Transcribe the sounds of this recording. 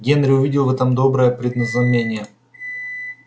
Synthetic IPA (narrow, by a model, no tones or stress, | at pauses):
ɡʲenɾʲɪʊvʲidʲɪlˠvɛt̪əmd̪o̞bɾəjəpɾʲɪd̪nəznɐmʲenʲɪjə